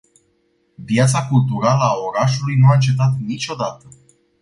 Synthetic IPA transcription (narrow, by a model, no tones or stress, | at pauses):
vjat̪sakult̪uɾaləao̞ɾaʃulujnuaɨnt͡ʃe̞t̪at̪nit͡ʃʲo̞d̪at̪ə